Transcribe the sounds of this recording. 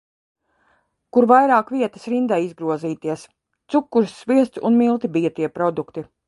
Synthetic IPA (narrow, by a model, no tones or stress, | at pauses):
kuɾvajɾaːkviɛt̪ɐ̥sɾind̪ajizɡɾuɔziːt̪iɛs | t̪sukːuɾsːviɛst̪sunmilˠt̪ibijat̪iɛpɾɔd̪ukt̪i